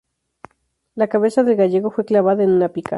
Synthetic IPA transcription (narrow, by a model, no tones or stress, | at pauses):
lakaβe̞saðe̞lɣaʝe̞ɣ̞o̞fwe̞klaβaðaenunapika̰